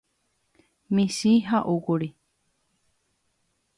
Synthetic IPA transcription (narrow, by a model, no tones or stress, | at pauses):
mĩʃiɦaʔukuɾi